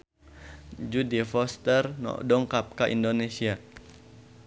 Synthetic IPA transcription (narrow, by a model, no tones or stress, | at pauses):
d͡ʒudifɔst̪ərnɔ̰ʔdɔŋkap̚kaʔḭndonesia